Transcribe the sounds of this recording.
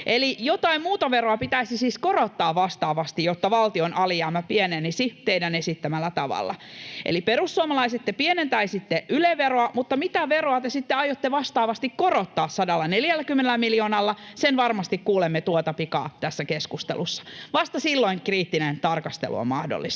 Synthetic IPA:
ʔelijot̪ɑimmuːt̪ɑʋeroɑpit̪æisisiːskorot̪ːɑːʋʋɑst̪ɑːʋɑst̪ijot̪ːɑʋɑlt̪ionʔɑlijæːmæpienenisit̪eidænesit̪ːæmælːæt̪ɑʋɑ̰lːɑ̰ʔḛliperusːuomɑlɑiset̪ːepienent̪ɑisit̪ːeʔyleʋeroɑmut̪ːɑmit̪æʋeroɑt̪esit̪ːeɑjot̪ːeʋɑst̪ɑːʋɑst̪ikkorot̪ːɑːssɑdɑlːɑneljælːækymːenelːˑæmiljoːnɑlːɑsenʋɑrmɑst̪ikkuːlemːet̪uot̪ɑpikɑ̰ːt̪æsːækeskust̪ḛlusːɑ̥ʋɑst̪ɑsilːoiŋkriːt̪ːinent̪ɑrkɑst̪ḛlṵo̰mɑhdo̰lːḭst̪

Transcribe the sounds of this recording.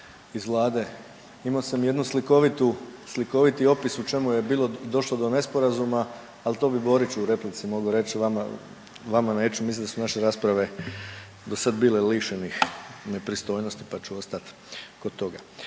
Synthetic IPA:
izʋlˠaːd̪e̞ | imaosamje̞d̪nusliko̞ʋit̪usliko̞ʋit̪io̞pisut͡ʃe̞muje̞biːlˠod̪o̞ʃlod̪o̞ne̞spo̞ɾazuma | alt̪o̞ːbibo̞ɾit͡ʃuuɾe̞plit̪simo̞ɡuɾe̞t͡ɕʋama̰ | ʋamane̞ːt͡ʃumislimd̪asunaʃeɾaːspɾaʋe̞ | d̪osad̪biːle̞liʃenixne̞pɾist̪o̞jno̞st̪ipat͡ʃuo̞st̪at̪ | ko̞d̪̚t̪o̞ɡa

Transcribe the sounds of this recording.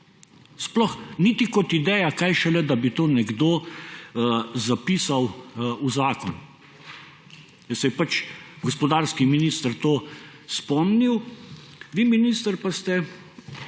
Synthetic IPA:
splɔxniːt̪ikɔt̪id̪ɛːjakajʃɛlɛd̪abit̪oːnɛɡd̪oː | zapiːsawuzaːkɔn | jɛsɛjɛpat͡ʃɡɔspɔd̪aːɾskiminist̪əɾt̪oː | spɔmniw | ʋiːminiːst̪əɾpast̪ɛ

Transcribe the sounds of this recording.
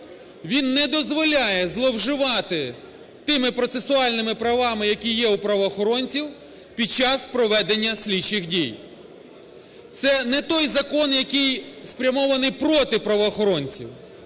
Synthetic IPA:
ʋʲinːɛd̪ɔzʋɔlʲajɛzlˠɔwʒɪʋɑt̪ɪ | t̪ɪmɪpɾɔt̪sesʊɑlʲnɪmɪpɾɐʋɑmɪjɐkʲijɛupɾɐʋɔːxɔɾɔnʲt͡sʲiw | pʲid̪̚t͡ʃːɑspɾɔʋɛd̪enʲːɐsʲlʲit͡ʃɪxdʲij | t̪sɛnɛt̪ɔjzɐkɔnjɐkɪjspɾʲɐmɔʋɐnɪjpɾɔt̪ɪpɾɐʋɔːxɔɾɔnʲt͡sʲḭw

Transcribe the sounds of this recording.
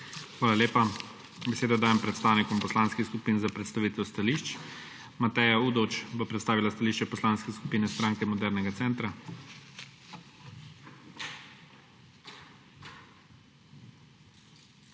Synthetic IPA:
xʋaːlaleːpa | bɛseːd̪ad̪aːjɛmpɾɛt̪st̪aːwnikɔmpɔslaːnskixskupinzapɾɛt̪st̪aʋiːt̪ɛwst̪aliʃt͡ʃ | mat̪ɛjauːd̪ot͡ʃbɔpɾɛt̪st̪aːʋilast̪aliːʃt͡ʃɛpɔslaːnskɛskupiːnɛst̪ɾaːŋkɛmɔd̪ɛɾnɛɡat̪sɛːnt̪ɾa

